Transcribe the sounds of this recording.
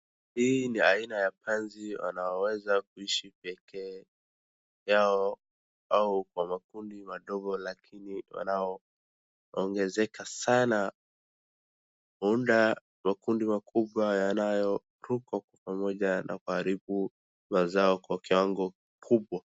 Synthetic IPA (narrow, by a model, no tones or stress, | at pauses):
hiːniainajapɛnziwa̰naɔwɛzak̚uiʃipɛkʰɛː | jaɔ | aukwamakundimaɗɔɡɔlakʰiniwa̰naɔ | ɔŋɡɛzɛkasana | huunda | makundimakʰuɓwajanajɔ | ɾukwakwapamɔʄana̰kuhaɾiɓu | mazaɔkwakiwaŋɡɔkikʰuɓwa